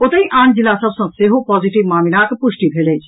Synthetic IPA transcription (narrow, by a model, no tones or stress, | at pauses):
ot̪əĩʔãːnd͡ʒilːasəbsə̃seɦopɔziʈiʋmamilakpusʈibʱelɛjt͡ʃʰ